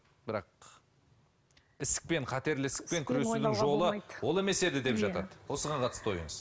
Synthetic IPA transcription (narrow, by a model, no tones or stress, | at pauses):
bɪɾɑq̚ | ɪsɪ̥k̚pe̞ɴqʰɑt̪e̞ɾlɪsɪ̥k̚pe̞ŋkʲʰʏɾesud̪ɪŋʒo̞lˠəwo̞lˠe̞me̞se̞d̪ɪd̪e̞pʒɑɑ̰d̪əwo̞səʁɑɴqʰɑt̪əst̪əojə̰ɴəz